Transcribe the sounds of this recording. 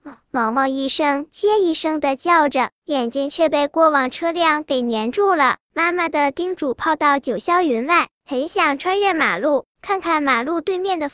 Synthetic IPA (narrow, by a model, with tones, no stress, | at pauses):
wɑ˧˥ŋmɑ˥˧ŋi˥˩ʂɤ˥ŋt͡ɕjɛ˥i˥˧ʂɤ˥ŋd̪ə˨t͡ɕjɑ˥˩ʊʈ͡ʂə˨˩jɛ˨˩nt͡ɕi˥ŋt͡ɕʰɥɛ˥˧pe˥˩ɪkwɔ˥˩wɑ˨˩ŋʈ͡ʂʰɤ˥ljɑ˥˩ŋke˨˩ɪnjɛ˧˥nʈ͡ʂu˥˩lə˩ | ma˥˩nma˨d̪ə˩t̪i˥ŋʈ͡ʂu˨˩pʰɑ˥˧ʊt̪ɑ˥˩ʊt͡ɕjo˨˩ʊɕjɑ˥ʊy˧˥nwa˥˩ɪxə˧˥nɕjɑ˨˩ŋʈ͡ʂʰwa˥nɥɛ˥˩nma̰˨˩lu˥˩ | kʰa˥˧nkʰa˥˩nma˨˩lu˥˧t̪we˥˧ɪmjɛ˥˩nd̪ə˩